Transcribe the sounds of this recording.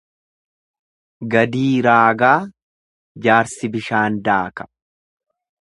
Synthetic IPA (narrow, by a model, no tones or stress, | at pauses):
ɡɐd̪iːɾaːɡaː | d͡ʒaːɾsɪbɪʃaːnd̪aːkɐ̥